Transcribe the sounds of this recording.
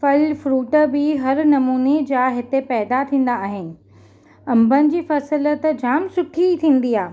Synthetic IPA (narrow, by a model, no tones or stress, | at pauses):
fɐlfɾuːʈəbɪɦɐɾnɐmuːned͡ʑaːɦɪt̪epɛːd̪at̪ʰĩːn̆d̪aːɦɪnɪ̆ | ɐ̃mbʱənɪ̆d͡ʑiːfɐsələt̪d͡ʑaːmsʊʈʰit̪ʰĩːn̆d̪iaː